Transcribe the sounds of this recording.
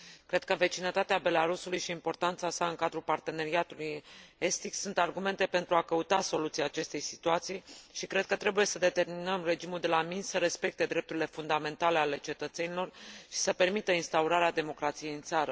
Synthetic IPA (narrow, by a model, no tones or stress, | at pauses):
kɾe̞d̪̥̚kəve̞t͡ʃinət̪at̪eabe̞laɾusulujʃiːmpo̞rt̪ant̪sasaɨŋkad̪ɾupart̪e̞ne̞ɾiat̪uluje̞st̪iksunt̪arɡume̞nt̪e̞pent̪ɾuakəut̪aso̞lut̪siaːt͡ʃe̞st̪e̞jsi̥t̪uat̪sijʃikɾe̞d̪̚kət̪ɾe̞buje̞səd̪e̞t̪e̞rminəmre̞d͡ʒimuld̪e̞laminsəɾe̞spe̞k̚t̪e̞d̪ɾe̞p̚t̪uɾile̞fund̪ame̞nt̪ale̞ale̞t͡ʃe̞t̪ət̪se̞nilo̞rʃi̥səpe̞rmit̪əinst̪auɾaɾead̪e̞mo̞kɾat̪sije̞jɨnt̪saɾə